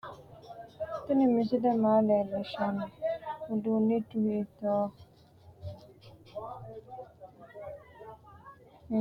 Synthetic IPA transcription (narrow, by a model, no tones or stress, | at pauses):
tɪnɪ̃mĩsidemalɛlɛʃɔnɪodunetuhetɔː